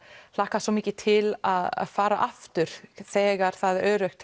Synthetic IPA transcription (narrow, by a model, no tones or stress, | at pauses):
l̥aːhkasɔmiːcɪt̪ʰɪlaða̰ðfaːɾaʔaft̪ʏɾ̥θɛːɣaɾ̥θaðœːɾœxt̪